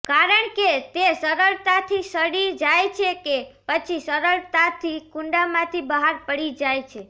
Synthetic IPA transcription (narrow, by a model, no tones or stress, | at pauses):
kaɾəɳket̪esəɾəɭt̪at̪ʰisəɽid͡ʒajt͡ʃʰekepət͡ʃʰisəɾəɭt̪at̪ʰikuɳɖamãt̪ʰibəɦaɾpəɽid͡ʒajt͡ʃʰe